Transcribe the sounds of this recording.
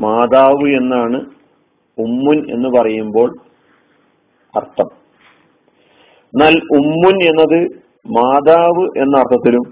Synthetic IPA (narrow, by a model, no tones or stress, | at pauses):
maːd̪aːʋɨe̞nːaːɳɨ | umːune̞̰nːɨpɐrɐjumbo̞ːɭ | ɐ̰rt̪ʰːɐm | nɐlumːune̞nːɐðɨ | maːd̪aːʋɨʔe̞nːɐɐrt̪ʰːɐt̪ːilum